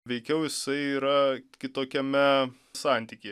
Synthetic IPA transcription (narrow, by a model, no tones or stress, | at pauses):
ʋʲɛɪkʲɛʊjɪsɐɪiːɾɐkʲɪt̪oːkʲɛmʲɛ | sɑːˑnʲt̪ʲikʲeː